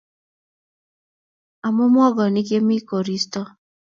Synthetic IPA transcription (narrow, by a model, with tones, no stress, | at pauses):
a˨mʊ˦m˦ɔ˦ɡɔ˨ni˦ke˦mi˦ko˨ɾi˦stɔ˦